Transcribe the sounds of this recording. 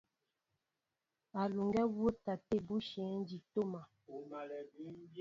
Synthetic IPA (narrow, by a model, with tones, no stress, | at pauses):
a˨lu˨ŋɡɛ˦wo˦ta˨te˦˨bu˦ʃɛ̃ː˨˦n˦d͡ʒi˨to˦ma˨˦